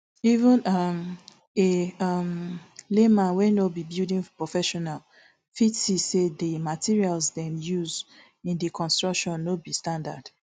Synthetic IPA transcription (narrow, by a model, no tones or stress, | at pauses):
ivĩnam | eamlemãnwenobibildĩŋpɹɔfɛʃɔnal | fitsisedəmatʰiɹialsdɛ̃mjuz | ĩndəkʰɔ̃nstɹɔkʃɔ̃nːobistãnda̰d̥